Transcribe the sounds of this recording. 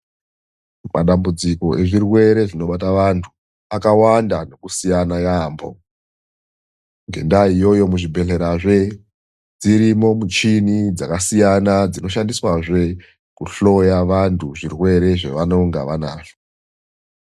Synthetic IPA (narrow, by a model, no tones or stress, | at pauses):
mʔa̰ɗambud͡ziko̞ʔe̞ʐirwe̞ɾe̞ʐino̞ɓataʋantʰu̥ | akawandano̞kusijanajaːmbo̞̰ | ŋɡe̞̰ndaijo̞jo̞muʐibʱe̞ɬe̞ɾaʐe̞ | d͡ziɾimo̞mut͡ʃinid͡zakasijanad͡zino̞ʃandiswaʐe̞ | kuɬo̞jaʋantʰuʐirwe̞ɾe̞ʐḛʋano̞ŋɡa̰ʋana̰ːʐ̥o̥